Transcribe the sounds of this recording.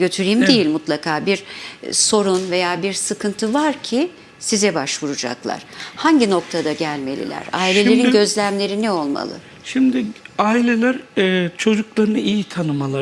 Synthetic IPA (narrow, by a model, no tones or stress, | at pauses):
ɟø̞t̪ʰyɾimd̪ejilʲmut̪lˠakʰaːbiɾso̞ɾunve̞jaːbiɾsɯkʰɯnt̪ʰɯvaɾcʰi | sizɛbaʃvuɾud͡ʒa̰klˠa̰ɾ̥haɲɟino̞k̚t̪ʰad̪aɟælʲme̞̰lʲḭlʲæ̰ɾaːilʲe̞lʲe̞ɾinɟø̞zlʲæmlʲe̞ɾinio̞lˠma̰lˠɯ̰ | ʃimd̪ɪaːilʲelʲæɾɛt͡ʃʰo̞d͡ʒuklˠaɾɯnɯijit̪ʰanɯmalˠa